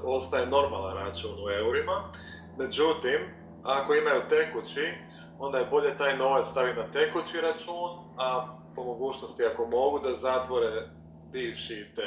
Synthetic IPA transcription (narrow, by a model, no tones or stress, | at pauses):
o̞st̪ajeno̞ɾma̰lˠanɾat͡ʃuːnue̞uɾima | me̞d͡ʒut̪im | ako̞imajut̪ekut͡ɕi | o̞nd̪ajebo̞ʎe̞t̪aːjno̞ʋat̪st̪aʋinat̪ekut͡ʃiɾat͡ʃuːn | a | po̞mo̞ɡuːt͡ʃno̞st̪iako̞mo̞ɡud̪azat̪ʋo̞ɾe | biːʋʃit̪e